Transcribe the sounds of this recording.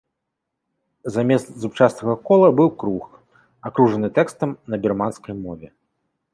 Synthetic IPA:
zamʲɛst̪zut͡ʂasnɐɣɐkɔlˠɐbɨwkɾux | akɾuʐɐnɨt̪ɛkst̪ɐmnɐbʲɛrmanskɐjmɔvʲɛ

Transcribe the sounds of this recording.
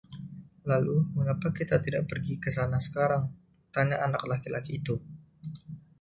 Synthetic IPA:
laluməŋapakit̪at̪idaʔpərɡikəsanasə̥kaɾaŋ | t̪aɲaʔanaklakilakiːt̪u

